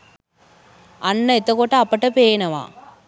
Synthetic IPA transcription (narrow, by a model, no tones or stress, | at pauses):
ɐnːɐɪt̪ːɐkoːʈːɐɐpːɐʈːɐpeːjnɐʋã̰ː